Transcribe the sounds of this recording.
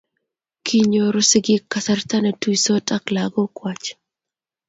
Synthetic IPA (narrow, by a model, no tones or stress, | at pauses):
kʰiɲoɾʊsɪɡɪkːasart̪anatujsotʼaklaɡɔkwat͡ʃ